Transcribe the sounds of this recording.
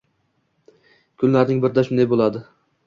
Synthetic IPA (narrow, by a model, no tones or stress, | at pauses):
kʰʊnlaɾnɪŋbɪɾd̪aʃʊnd̪ajbolˠad̪ɪ